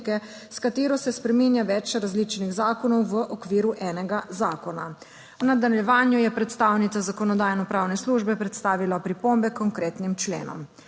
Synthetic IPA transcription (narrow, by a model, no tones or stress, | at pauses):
kɛ | skat̪eːɾɔsɛspɾɛmiːnjaʋɛt͡ʃɾazlit͡ʃniɣzaːkɔnɔwʋəʔɔkʋiːɾuʔɛːnɛɡazaːkɔna | nad̪anɛljɛʋaːnjujɛpɾɛt̪st̪aːwnit̪sazakɔnɔd̪aːjnɔpɾaːwnɛsluʒbɛpɾɛt̪st̪aːʋilapɾipombɛkɔŋkɾeːt̪nimt͡ʃlḛːnɔ̰m